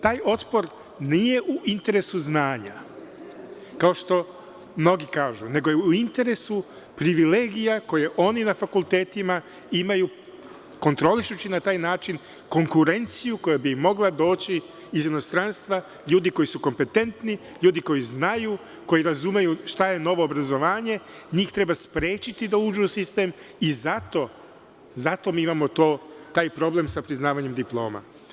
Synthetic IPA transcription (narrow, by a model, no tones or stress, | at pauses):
t̪aːjʔo̞t̪po̞ɾ | nije̞ʔuʔint̪e̞ɾe̞suznaːɲa | kao̞ʃt̪o̞ | mno̞ɡikaːʒune̞ɡo̞jeuuint̪e̞ɾe̞su | pɾiʋile̞ːɡijako̞jeʔo̞ːninafakulˠt̪e̞ːt̪ima | imaju | ko̞nt̪ɾo̞liʃut͡ɕinat̪aːjnaːt͡ʃin | ko̞ŋkuɾe̞nt̪sijuko̞jabimo̞ɡlˠad̪o̞ːt͡ɕiː | zino̞st̪ɾanst̪ʋa | ʎuːd̪iko̞jisuko̞mpe̞t̪e̞nt̪ni | ʎuːd̪iko̞jiznaju | ko̞jiɾazumejuʃt̪aje̞no̞ʋo̞ːbɾazo̞ʋaːɲe̞ɲiːxt̪ɾe̞baspɾe̞ːt͡ɕit̪id̪auːd͡ʒuusist̪e̞ːmizat̪o̞ | zat̪o̞miːimamo̞t̪o̞ːt̪aːjpɾo̞ble̞msapɾiznaːʋaɲe̞md̪iplˠo̞̰ːma̰